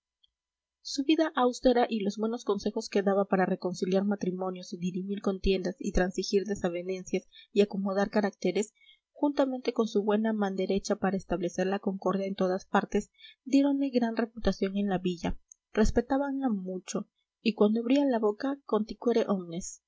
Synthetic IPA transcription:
suβiðaʔawst̪e̞ɾaʔilo̞zbwe̞no̞sko̞nse̞xo̞ske̞ðaβapaɾare̞ko̞nsiljaɾmat̪ɾimõ̞njo̞siðiɾimiɾko̞nt̪je̞nd̪asḭt̪ɾansixiɾðe̞saβe̞ne̞nsjasiako̞mo̞ðaɾkaɾak̚t̪e̞ɾe̞s | xunt̪ame̞nt̪e̞ko̞nsuβwe̞namãnd̪e̞ɾe̞t͡ʃapaɾaest̪aβle̞se̞ɾlako̞ŋko̞ɾðjaent̪o̞ðaspaɾt̪e̞s | d̪je̞ɾo̞nle̞ɣɾanre̞put̪asjo̞ŋe̞nlaβiʝa | re̞spe̞t̪aβaŋamut͡ʃo̞ | ikwand̪oaβɾialaβo̞kako̞nt̪ikweɾeʔomne̞s

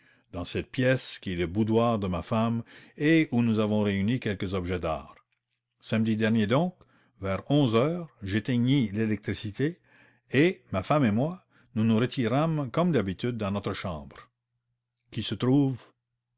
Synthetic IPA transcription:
d̪̥ɑ̃sɛt̪̚pjɛskʲiɛləbud̪waːʁd̪əmafameunuzavɔ̃ʁeynikʲɛlkəzɔbʒɛd̪a̰ːʁ | samd̪id̪ɛʁnjed̪ɔ̃ːk | vɛʁɔ̃zœːʁʒet̪eɲilelɛk̚t̪ɾisit̪e | emafamemwa | nunuʁət̪ʰiʁamkɔmd̪abit̪yd̪̚ːɑ̃nɔt̪ɾəʃɑ̃ːbʁ | kʲisət̪ɾuːv

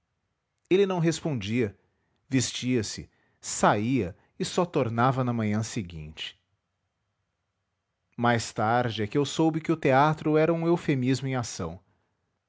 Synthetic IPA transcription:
elɪnɐ̃w̃ɦespõnd͡ʒiɐ | vest͡ʃiɐsɪ̰ | saiɐ | ɪsɔt̪oɾnavɐnɐmɐ̃ɲɐ̃sɪɡḭ̃t͡ʃɪ̥ | majst̪aɾd͡ʒɪɛkɪewsowbɪkɪʊt̪eat̪ɾʊɛɾɐũewfemizmʊẽj̃asɐ̰̃w̃

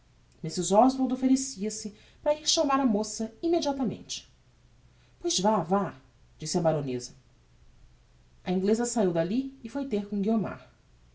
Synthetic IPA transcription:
misizɔzvoɾd̪ofeɾesiɐsɪ | pɾɐiɾʃɐmaɾɐmosɐimed͡ʒiat̪ɐmḛ̃nt͡ʃɪ̥ | pojzvava | d͡ʒisɪɐbaɾõnezɐ | ɐĩŋɡlezɐsaiwd̪aliɪfojt̪eɾkõɡioma̰ɾ

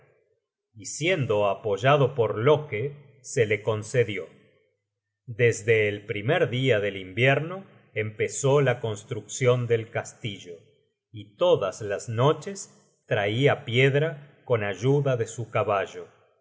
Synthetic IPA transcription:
isje̞nd̪o̞apoʒaðo̞po̞ɾlo̞ke | se̞le̞ko̞nseðjo̞ | d̪ezðe̞ːlpɾimeɾðiaðe̞limbjeɾno̞ | empe̞so̞lako̞nst̪ɾuksjo̞nd̪e̞lkast̪iʒo̞ | it̪o̞ðaslasno̞t͡ʃe̞s | t̪ɾaiapje̞ðɾako̞naʒuðaðe̞sukaβaʒo̞

